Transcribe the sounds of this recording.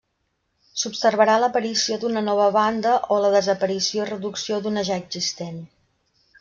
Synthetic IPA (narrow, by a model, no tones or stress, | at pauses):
supsərβəɾaləpəɾisiod̪unənɔβ̞əβand̪əʔoləðəzəpəɾisioirəðuksiod̪unəʒaəɡzist̪en